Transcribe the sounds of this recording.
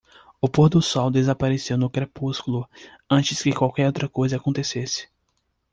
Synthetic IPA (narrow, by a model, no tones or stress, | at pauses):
ʊpoɾd̪ʊsɔwd̪ezapaɾesewnʊkɾepuskulʊ | ɐ̃t͡ʃɪskɪkwawkɛɾowt̪ɾɐkojzɐakõnt̪esesɪ̥